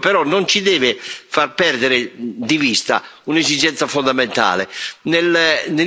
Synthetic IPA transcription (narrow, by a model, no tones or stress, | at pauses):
pɛɾɔnːont͡ʃid̪ɛːvɪfarpɛrd̪eɾɪd̪ivist̪a̰unezid͡ʒɛnt̪safond̪ament̪a̰ːlḛnelne